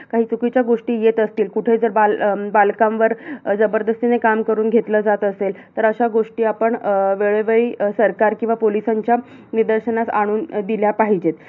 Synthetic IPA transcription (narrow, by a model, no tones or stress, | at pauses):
kaɦiːt͡sukit͡ɕjaɡoʂʈiːjet̪əst̪iːlkuʈʰed͡zəɾbalbalkãmʋəɾd͡zəbəɾd̪əst̪inekamkəɾuːnɡʱet̪ləːd͡zat̪əselt̪əɾəɕaɡoʂʈiːapəɳʋeɭeʋəiːsəɾkaɾkĩw̃ʋapolisaɲt͡ɕja | nid̪əɾɕənasaɽ̃uːnd̪iljapaɦid͡ʑet̪